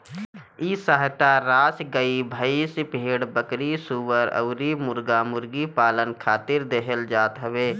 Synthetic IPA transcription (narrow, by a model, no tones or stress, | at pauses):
isaɦt̪aɾaːsɡəibʱəisɪpeːɽbəkɾisuwəɾə̰ʊɾimʊɾɡaːmʊɾɡipaːlənkʰaːt̪ɪɾd̪eɦəld͡ʒaːt̪ɦəʋeː